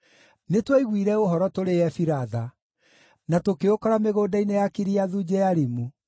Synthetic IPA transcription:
netweiɣwiɾɛoɦɔɾɔtoɾeɛfiɾaða | natokeokɔɾameɣoːdainejakiɾiaðud͡ʑɛjaɾimu

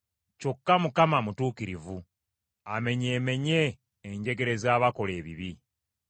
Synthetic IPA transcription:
co̞kːamukamamutuːkiɾivu | ame̞ɲe̞ːme̞ɲe̞ː | ɲɟe̞ɡe̞ɾe̞zaːβako̞le̞ːβḭβi

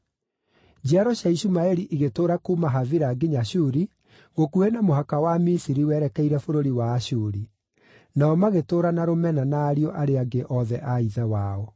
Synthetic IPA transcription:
d͡ʒaɾɔɕaiɕumaɛɾiʔiɣetoːɾakuːmaɦaðiɾaɡeɲaɕuɾi | ɣokuhɛnamoɦakawamisiɾiwɛɾɛkɛiɾɛfoɾoɾiwaːɕuːɾi | naɔmaɣetoːɾanaɾomɛnanaːɾiɔʔaɾeaɡeʔɔðɛʔaiðɛwaːɔ

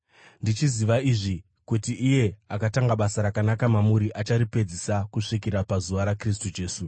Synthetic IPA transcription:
ndit͡ʃiziʋaiʐi | kutiʔːje̞akataŋɡaɓasaɾakanakamamuɾiʔat͡ʃaɾipe̞d͡zisakuʂik̬iɾapazuʋaɾakris̬tud͡ʒe̞ːsu

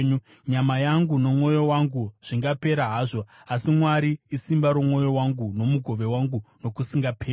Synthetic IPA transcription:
ɲu | ɲamajaŋɡuno̞mwo̞jo̞waŋɡuʐ̥iŋɡape̞ɾaɦaːʐo̞asimwaɾiːsimbaɾo̞mwo̞jo̞waŋɡuno̞muɡʱo̞ʋe̞waŋɡuno̞kusiŋɡapʰeː

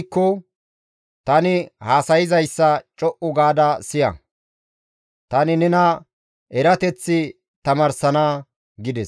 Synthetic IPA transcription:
kːɔ | t̪ɐnɪhaːsɐjɪzɐjsːɐt͡ʃʼɔʔʊɡaːd̪ɐsɪjɐ̰ | t̪ɐnɪnɛnɐ | ʔɛɾɐt̪ɛt͡sːɪ | t̪ɐmɐɾsɐnaː | ɡɪd̪ɛs

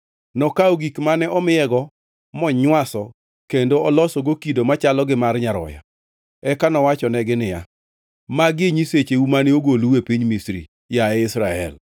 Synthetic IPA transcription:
nɔkaoɡikmanɛʔɔmɪɛɡɔ | mɔɲwasɔ | kendoɔlɔsɔɡokidomat͡ʃalɔɡɪmarɲaɾɔ̰ja̰ | ɛkanɔwat͡ʃɔnɛɡɪnɪja̰ | maɡɪɲiset͡ʃeumanɪoɡoluwepiɲmisɾḭ | jaɛɪsɾaɛ̰l

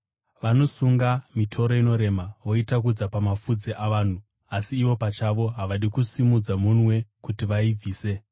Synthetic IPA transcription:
ʋano̞suŋɡamitʰo̞ɾo̞ino̞ɾe̞maʋo̞itak̬ud͡zapamafud͡zeʔaʋaːn̤u | asiːʋo̞pat͡ʃaʋo̞ɦaʋaɗikusimud͡zamunwe̞kutiʋaib͡viːse̞

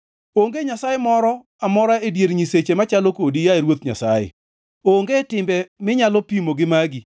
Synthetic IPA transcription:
oŋɡeɲasajemɔɾɔ | amɔɾaedjeɾɲiset͡ʃemat͡ʃalokodijaeɾwot̪ɲa̰sajɪ̰ | oŋɡetɪmbɛmɪɲalɔpimoɡɪmaɡi

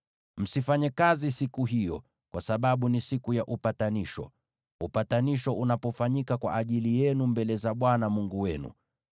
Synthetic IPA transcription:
m̩sifaɲɛkazisikuɦijɔ | kwasaɓaɓunisikujaʔupataniʃɔ̰ | upataniʃɔʔunapɔfaɲikakwa̰ʔːʄilijɛnumbɛlɛzaɓwanamuŋɡuwɛnṵ

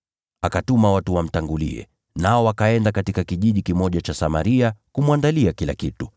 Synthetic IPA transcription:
akatumawatuwam̩taŋɡulḭɛ̰ | naɔwakaɛndakatikakiʄiʄikimɔʄat͡ʃasamaɾiakumuwandaliakila̰kitu

